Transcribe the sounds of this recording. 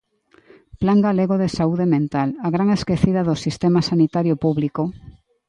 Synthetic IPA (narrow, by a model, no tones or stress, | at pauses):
plaŋɡaleɣoðesauðemẽnt̪alaɣɾaŋeskeθiðaðʊsist̪emasanit̪aɾjopuβliko